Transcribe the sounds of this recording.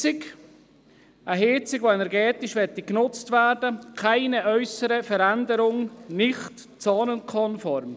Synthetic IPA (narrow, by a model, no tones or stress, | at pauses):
ɪk | ʔəɦeːt͡sɪɡvoɛnɛɾɡɛːt̪ɪʃʋɛtiknʊt͡stvæːɾd̥əkʰaɪnəʔœʏsəɾəfəɾændəɾʊŋnɪχt | t͡sɑːnənkʰɔnfɔɾm